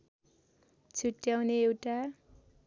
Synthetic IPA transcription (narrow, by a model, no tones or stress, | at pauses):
t͡sʰuʈːjawneewʈa